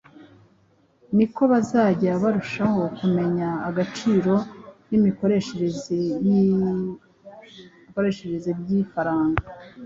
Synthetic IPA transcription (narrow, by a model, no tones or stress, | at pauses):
niko̞βazaːɟaβaɾuʃaho̞kume̞ɲaːɡat͡ʃiːɾo̞nimikoɾeʃeɾeze | ko̞ɾe̞ʃeɾezebɟiːfaɾaːŋɡa